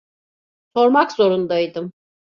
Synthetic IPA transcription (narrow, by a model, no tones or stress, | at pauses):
so̞ɾmakzo̞ɾund̪ajd̪ɯm